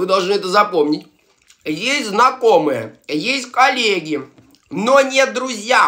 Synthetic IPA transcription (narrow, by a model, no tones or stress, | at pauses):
vɨd̪ɐlˠʐnɨɛt̪əzɐpomnʲɪtʲ | jesʲtʲznɐkomɨjə̰jesʲtʲkɐlʲeɡʲɪ | nonʲed̪ɾʊzʲja